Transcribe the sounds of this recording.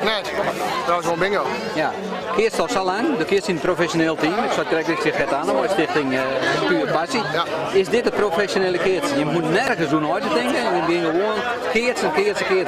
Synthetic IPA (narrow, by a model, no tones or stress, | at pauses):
nɛ | ɔɪsʋonbɪŋəlˠ | ja | kʰɪəstɔsolaŋdokɪtsinəprofɛsjoneːlˠtimɪksɔt̚krɛkɪsɪxɛtanəʋɔjstɪxtɪŋkyːpasiɪsdɪtəprofɛsjoneːlˠəkɪətsjəmutnɛrɣəsdunɔjtətɪŋkəɛnjəɡɪŋɡəʋoənkɪətsəkɪəsəkɪə